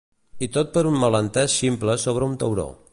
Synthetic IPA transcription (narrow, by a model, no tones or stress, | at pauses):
it̪ot̪̚pəɾunmələnt̪ɛʃsimpləsoβ̞ɾəunt̪əwɾo̰